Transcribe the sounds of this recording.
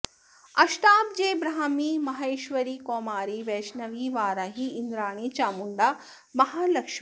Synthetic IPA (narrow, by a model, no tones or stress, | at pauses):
ɐʃʈaːp̚d͡ʒeːjbɾaɦɐmimɐɦeːʃʋɐɾikoːmaːɾiʋeːʃnɐʋiʋaːɾaɦiːnd̪ɾaːɳ̃it͡ʃaːmuɳɖa | mɐɦaːlɐkʂ